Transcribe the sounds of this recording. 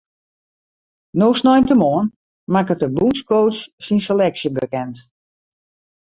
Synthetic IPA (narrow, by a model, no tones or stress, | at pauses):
noːsnɔjmtəmoən | makətəbunskowsːinsəlɛksjəbəkɛnt